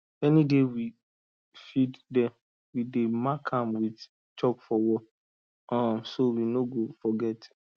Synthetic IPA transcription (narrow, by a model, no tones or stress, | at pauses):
ɛnidewi | fiddɛ | widemakʰãmwit | t͡ʃɔkfɔwɔ | ãmsowinoɡofɔɡɛt